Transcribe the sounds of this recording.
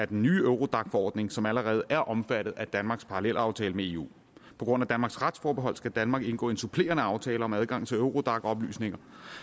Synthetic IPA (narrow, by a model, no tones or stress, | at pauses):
æɐd̥enːyːøʊʁo̝d̥ɑ̈ɡ̥fɒɒ̰ːd̥ne̝ŋsɒ̽mæləʁɛːð̞̩ˠʔæɐʔɒ̽mfæɾ̥ð̩ˠæd̥ænmɑ̈ɡ̥spʰɑ̈ʁɑlel̰ɑ̈ʊt͡sʰɛːləmee̝ːṵː | pʰɒ̽ɡ̥ʁɔ̽n̰æd̥ænmɑ̈ɡ̥sʁɑd̥sfɒːb̥eɦɒ̽l̰sɡ̥æd̥ænmɑ̈ːɡ̥e̝nɡ̥ɔ̰ːe̝nsupʰle̝̰ːɐnəɑ̈ʊt͡sʰɛːləɒ̽mæð̞ˠɡ̥ɑ̈ŋ̰t͡sʰe̝øʊʁo̝d̥ɑ̈ɡ̥ɒ̽b̥ly̰ːsne̝ŋɐ